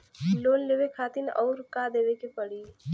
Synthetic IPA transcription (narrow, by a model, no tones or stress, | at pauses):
loːnleːʋekʰaːt̪ɪnɔːɾkad̪eːʋekepəɽiː